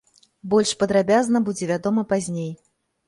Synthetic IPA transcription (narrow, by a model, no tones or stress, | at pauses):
bɔlʲʂpɐd̪ɾabʲaznɐbud͡zʲɛvʲad̪ɔmɐpazʲnʲej